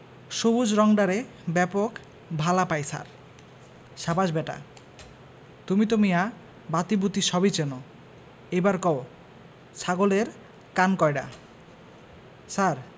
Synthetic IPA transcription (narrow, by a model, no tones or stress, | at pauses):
ʃobud͡ʑɾɔŋɖaɾe | bɛpok | bʱalapajsa̰ɾ | ʃabad͡ʑbɛʈa̰ | t̪umit̪̬omija | bat̪ibut̪iʃɔbit͡ɕeno | ejbaɾkɔo | sʰaɡoleɾ | kankɔjɖa̰ | saɾ